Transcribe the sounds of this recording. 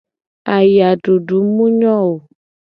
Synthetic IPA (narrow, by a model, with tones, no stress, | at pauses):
a˨ja˨ɖo˨ɖu˨˦mũ˦ɲɔ˦˨wo˨